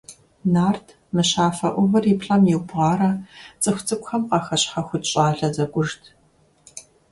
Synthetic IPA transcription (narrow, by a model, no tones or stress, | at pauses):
naːrtʰ | mɨɕaːfɐʔʷʊvɐripɬʼɐmjiwbʁɑːɾɐt͡sʼɨxʷt͡sʼɨkʷʼxɐmqɐxɐɕħɐxʷʊtɕʼaːɮɐzɐɡʷʼʊʐtʰ